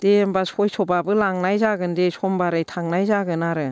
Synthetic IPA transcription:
d̥embasɔjsʰɔbabɯlaŋnajzaɡɯndesʰɔmbaɾɯjtʰaŋnajzaɡɯnaɾɯ

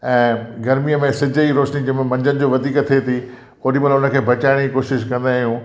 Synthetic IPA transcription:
ɛ̃ːɡɐɾmijəmẽsɪd͡ʑʱəiɾoːʃnid͡ʑɐmẽmɐ̃ɲd͡ʑənɪ̆d͡ʑoːʋɐd̪ʱiːkt̪ʰiet̪ʰi | oːɗimɐlʊnə̆kʰeːbʱɐt͡ɕaːɪɽ̃d͡ʑikoːʃɪʃkɐ̃nd̪aːɦjũː

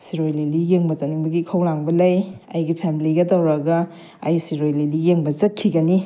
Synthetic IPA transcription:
siɾojlilijeŋbɐzɐniŋbɐɡikʰɐwlaŋbɐlɐjɐjɡipʰemiliɡɐdɐwɾɐɡɐː | jsiɾojlelijeŋbɐzɐt̚kʰiɡɐni

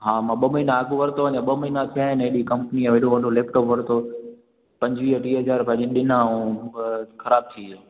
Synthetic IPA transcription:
ɦãːmãːɓəmɐɦinãɐɡʊʋɐɾt̪oʋəɲãɓəmɐɦinãt̪ʰijaːɦɪneɗikɐ̃mpnĩʋeɗoʋɐ̃ɖoleːp̚ʈɔoːpʋɐɾt̪o | pɐ̃ɲd͡ʑʋiːɦəʈiːɦɐzaːɾpɐ̃ɲẽɗɪnaũ | xɐɾaːb̚t̪ʰiː

